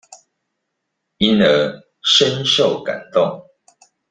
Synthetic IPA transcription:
i˦nə˨˧˦ | ʂə˦nʂo˥˨ʊka̰˨˩nt̪ɔ˥˨ŋ

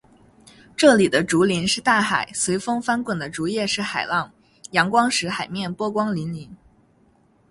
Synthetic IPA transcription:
ʈ͡ʂɤ˥˩li˨˩d̪ə˦ʈ͡ʂu˧˥li˧˥nʂɻ̩˥˧t̪a˥˩xa˨˩ɪswe˧˥ɪfɤ˥ŋfa˥nkwə˨˩nd̪ə˦ʈ͡ʂu˧˥jɛ˥˧ʂɻ̩˥˩xa˨˩ɪlɑ˥˩ŋ | jɑ˧˥ŋkwɑ˥ŋʂɻ̩˧˥xa˨˩ɪmjɛ˥˩npwɔ˥kwɑ˥ŋli˧˥nli˧˥n

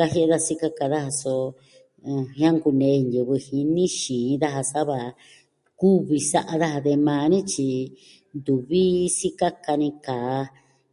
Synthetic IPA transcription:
ka˧ɦe˦ʔe˧ða˦˧si˦ka˧ka˧ða˦ha˧sõ˧ | hã˦ŋɡu˧nẽ˨˧˦nje˨βɨ˧hi˧nĩ˦ʃĩː˨˧ða˦ɦa˧sa˦βa˨ | ku˦βi˧sa˦ʔa˧ða˦ha˧ðe˧mãː˧nĩ˦t͡ʃi˧ | nd̪u˨βi˦si˦ka˦ka˧nĩ˧kaː˨˧˦

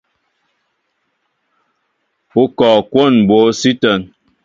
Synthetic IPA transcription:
u˨kɔː˨kwo˦˨nbo˨˦si˦tə˨n

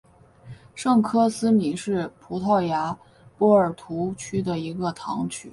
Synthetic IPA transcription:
ʂɤ˥˩ŋkʰɤ˥sɹ̩˥mi˧˩˥ʂɻ̩˥˩pʰu˧˥t̪ʰɑ˥˩ʊja˧˥ | pɔ˥ə˞˨˩t̪ʰu˧˥t͡ɕʰy˥d̪ə˨i˧˥ɡə˧t̪ʰɑ̰˧˥ŋt͡ɕʰy˥˩

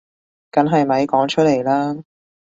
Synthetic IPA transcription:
kɐ˨˥nɦɐ˨jmɐ˨˥jkɔː˨˥ŋt͡ʃʰɵ˥le˨˩jlaː˥

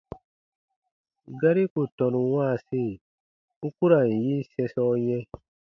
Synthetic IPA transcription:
ɡa˦ɾi˦ku˨tɔ̃˨nũ˨wãː˦˨si˦˨ | u˦ku˦ɾa˨n˨jĩ˦sɛ̃˧sɔ˧˦jɛ̃˦

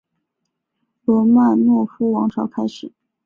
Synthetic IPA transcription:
lwɔ˧˥ma˥˧nnwɔ˥˩fu˥wɑ˧˥ŋʈ͡ʂʰɑ˧˥ʊkʰa˥ɪʂɻ̩˨˩˦

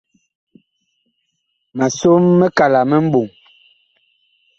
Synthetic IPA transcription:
ma˨so˦mːə˦ka˨la˨mə˦m̩˦bo˨ŋ

